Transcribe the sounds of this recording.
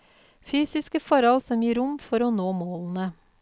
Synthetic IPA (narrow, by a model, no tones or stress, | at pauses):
fyːsɪskəfɔɾɔlsɔmjiːɾʊmfɔɾoːnoːmoːln̩ə